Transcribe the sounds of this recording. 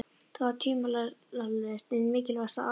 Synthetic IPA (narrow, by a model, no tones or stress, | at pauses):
t̪ʰavat̪ʰiːmalalalst̪ɛðmɪːcɪlvast̪aa